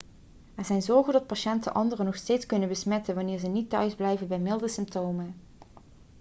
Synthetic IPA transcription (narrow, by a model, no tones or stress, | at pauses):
ɛɹzɛjnzɔɹχədɑt̚pɑʃɛntə̰nʔɑ̰ndərənɔχsteːtskɵnənbəsmɛtənʋɑnɪːɹzənitːœɥzblɛjvənbɛjmɪlˠdəsɪmptowmə